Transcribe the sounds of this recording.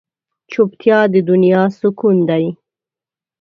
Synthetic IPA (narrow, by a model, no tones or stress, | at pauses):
t͡ʃupt̪ʰjɑd̪əd̪ʊnjɑsukund̪aji